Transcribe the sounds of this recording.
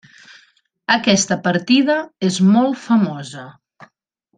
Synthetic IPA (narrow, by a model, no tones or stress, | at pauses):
əkɛst̪əpəɾt̪iðəezmɔlˠfəmɔzə